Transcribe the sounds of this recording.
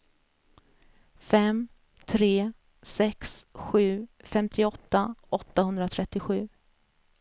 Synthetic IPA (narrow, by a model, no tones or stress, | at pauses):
fɛm | t̪ʰɾeː | sɛksɧʉ̟ːfɛmt̪ʰɪɔt̪ːaʔɔt̪ːahɵnd̪ɾat̪ʰɾɛt̪ːɪɧʉ̟ː